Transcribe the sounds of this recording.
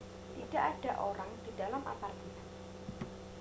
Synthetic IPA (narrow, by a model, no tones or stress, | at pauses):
t̪id̥aʔad̥aʔoɾaŋd̥i̤dalamʔa̰pari